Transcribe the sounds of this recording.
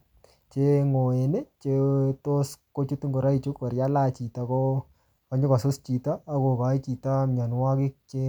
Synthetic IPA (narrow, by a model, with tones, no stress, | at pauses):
t͡ʃe˦ŋo˨e˨ne˦t͡ʃe˦to˦sko˦t͡ʃu˦tŋɡo˨ɾa˦i˨t͡ʃu˦kːa˨ɾja˦la˦t͡ʃi˨ta˨ko˦ | ka˨˦ɲʊ˦ka˨sʊ˦st͡ʃi˨taː˦ko˨ka˨˦jt͡ʃi˨ta˦mɲa˨nwa˦kɪ˦k̚t͡ʃe˦